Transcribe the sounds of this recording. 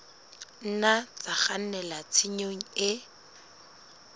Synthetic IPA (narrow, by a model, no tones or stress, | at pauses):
n̩nat͡saχan̩nɛlat͡sʰɪɲoŋ̩ɪ